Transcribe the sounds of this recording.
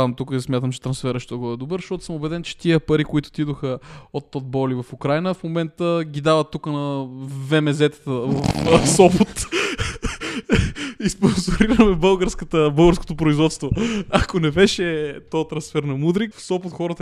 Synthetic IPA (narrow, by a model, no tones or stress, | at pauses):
ant̪ukəsmʲjat̪əmt͡ʃɛ̥t̪ɾɐnsfɛɾəʃt̪oɡɔɛd̪obəɾzʃt̪ɔt̪ʊ̥səmobɛd̪ɛnt͡ʃɛ̥t̪iəpɐɾikoit̪ʊ̥t̪id̪oxəot̪ːɔd̪̚bɔlivɐfukɾajnəfmomɛnt̪əɡʲid̪avɐt̪ːukənɐvɛmɛzɛt̪ə̥t̪əvɐfsɔpot̪ | isponzoɾiɾɐmɛbɤlˠɡəɾskət̪əbɤlˠɡəɾsko̥t̪opɾoizvɔt̪st̪voakonɛbɛʃɛt̪ɔt̪ɾɐnsfɛɾnɐmud̪ɾikfsɔpʊt̪xɔɾət̪ə